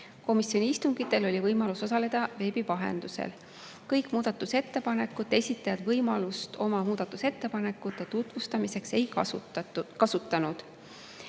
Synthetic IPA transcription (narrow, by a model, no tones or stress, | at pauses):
ko̞misjo̞nʲiist̪uŋɡ̥it̪ːˑe̞lo̞lʲivɤjmɑluso̞sɑle̞d̪̥ɑve̞ːbivɑɦe̞̰nd̪̥usḛl | kɤjkmuːd̪ɑt̪ːˑuse̞t̪ːe̞pɑne̞kːˑut̪ːˑe̞sʲit̪ːˑɑjɑd̪̥vɤjmɑlust̪o̞mɑmuːd̪̥ɑt̪ːˑuse̞t̪ːe̞pɑne̞kːˑut̪ːˑe̞t̪ut̪vust̪ɑmise̞kse̞jkɑ | kɑsut̪ːˑɑnud̪̥